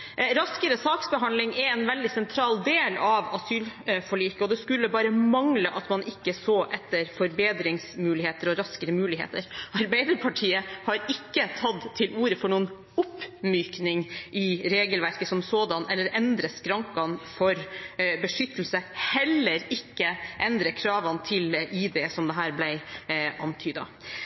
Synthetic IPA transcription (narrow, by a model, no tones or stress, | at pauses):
ɾɑskəɾəsɑːksbəɦɑnlɪŋɛɛnʋɛld̪ɪsɛnt̪ʰɾɑːld̪eːlɑʋɑsyːlfɔɭiːkəɔd̪ɛskʉlːəbɑːɾəmɑŋləʔɑt̪mɑnʔɪkːəsoːʔɛt̪ːəɾfɔɾbeːd̪ɾɪŋsmʉːlɪheːt̪əɾɔɾɑskəɾəmʉːlɪɦḛːt̪əɾɑɾbæɪd̪əɾpʰɑʈʰiːəhɑɾɪkːət̪ʰɑd̪t̪ʰɪluːɾəfɔɳuːən | ʊpːmyːknɪŋʔɪɾeːɡəlʋæɾkəsɔmsoːd̪ɑnɛlːəɾɛnd̪ɾəskɾɑŋkɑnfɔɾbəʂʏt̪ːəl̩səhɛlːəɾɪkːəʔɛnd̪ɾəkʰɾɑːʋɑnt̪ʰɪlʔiːd̪ɛsɔmd̪ɛɦæːɾblæɪʔɑnt̪ʰyːd̪ɑ̰